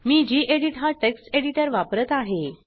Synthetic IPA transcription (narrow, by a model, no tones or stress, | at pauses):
miːd͡ʑiːʔeɽiʈɦaʈekseɽiʈəɾʋapɾət̪aɦe